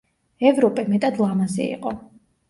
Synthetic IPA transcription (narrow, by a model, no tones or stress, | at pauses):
ɛvɾɔpʼɛmɛt̪ʼad̪lˠamazɛ̰ḭqʼɔ